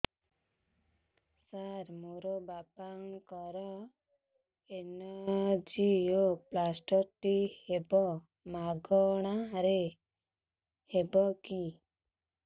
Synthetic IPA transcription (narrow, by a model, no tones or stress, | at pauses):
saɾmoɾobapaŋkɔɾɔ | enɔd͡ʒioplasʈɔʈihebɔ | maɡɔɽ̃aɾe | hebɔki